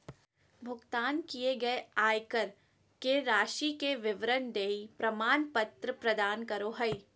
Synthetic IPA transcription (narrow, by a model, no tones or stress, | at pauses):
bʱʊɡt̪aːnkieɡɐeaːjkəɾ | keɾaːʃikeʋɪʋɾənd̪eːipɾɐmaːnpɐt̪ɾəpɾɐd̪aːnkɐɾoɦɐi